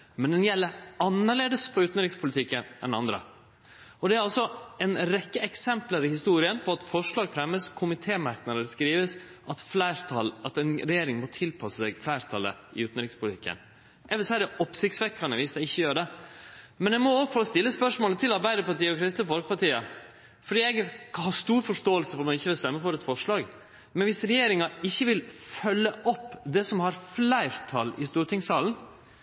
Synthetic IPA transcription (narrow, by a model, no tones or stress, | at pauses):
mɛnd̪ɛnjɛlːəɑnːəɭeːd̪əspʰɔʉːt̪ən̩ɾɪkspʰʊlɪt̪ʰɪkːənʔɛ̰nɑnd̪ɾə̰ | ɔd̪ɛæɾɑlsɔɛnɾɛkːəɛksɛmpləɾɪhɪst̪uːɾɪənpʰɔɑt̪fɔʂɭɑːɡfɾɛmːəskʰʊmɪt̪ʰeːmɑɾknɑd̪əɾskɾiːʋəsʔɑt̪flæɪɾɑlɑt̪ɛnɾɛjeːɾɪŋmɔt̪ʰɪlpʰɑsəsɛɡflæɪɾt̪ʰɑlːə̰ɪʉːt̪ən̩ɾɪkspʰʊlt̪ʰɪkːə̰n | ʔɛʋəlsæd̪ɛʔɔpsɪktsʋɛkʰːɑnɛʋɪsd̪ɛɪçːəjøːɾɖ̪ɛ | mɛnɛɡmɔoːʋəfɔlːɔst̪ɪlːəspœʂmoːlət̪ʰɪlɑɾbæɪd̪əpɑʈiːəɔkʰɾɪst̪əfɔlk̚pɑʈiːə | fɔɖiːɛɡhɑːst̪uːɾfɔʂtoːəlsəfɔɾmɛɡɪçːəʋɪlst̪ɛmːəfɔɾɛt̪fɔʂɭɑːɡ | mɛnʋɪsɾɛjeːɾɪŋɑɪçːəʋɪlfœlːəʔɔpːd̪ɛsɔmhɑɾflæɪɾt̪ʰɑlɪst̪uːɾət̪ʰɪŋsɑːln